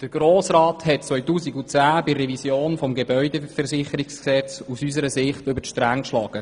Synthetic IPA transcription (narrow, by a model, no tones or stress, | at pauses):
d̥əɾɡ̥ɾoːsrɑːthɛt̚t͡sʋœjtuːsiɡut͡sæːbɪrːɛvisjoːnfɔmɡebœʏɥdefəɾsɪχəɾɪksksɛt͡susysəɾəsɪχtʏbəɾʃtɾaŋkʃlɑːɡ̥ə